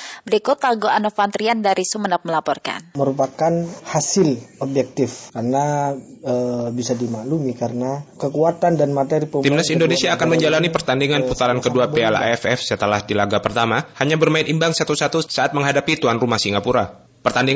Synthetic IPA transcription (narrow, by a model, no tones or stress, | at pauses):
bəɾikut̪aɡoanofant̪ɾiandaɾisumənap̚məlapɔrka̰nməɾupakanhasɪlobjɛk̚t̪ɪfkaɾənaəbisadimalumikaɾənakəkuat̪andanmat̪eɾipət̪imnasindonesiaːkanməɲd͡ʒalanipərt̪andiŋanput̪aɾankəduapeala̰ɛfɛfsət̪əlahdilaɡapərt̪amahaɲabərmaɪnimbaŋsat̪usat̪usaat̪̚məŋɦadapit̪uanrumahsiŋapuɾa | pərt̪andiŋ